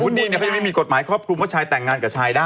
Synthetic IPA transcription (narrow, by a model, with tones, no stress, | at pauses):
u˦˥t̪̚niː˧ni˧˩a˦˥ja˧˦ma˥˩miː˧ko˨˩t̪̚maː˩˦jkʰɾɔː˥˩p̚kʰu˧mwa˥˩t͡ɕʰaː˧jt̪ɛ˨˩ŋːaː˧nka˨˩t͡ɕʰaː˧jdaː˥˩